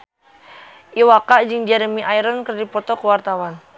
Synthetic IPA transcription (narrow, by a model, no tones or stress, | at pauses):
ʔiwakaʔd͡ʒɨŋd͡ʒɛɾəmiʔajɾənkərdipɔt̪ɔkəwart̪awan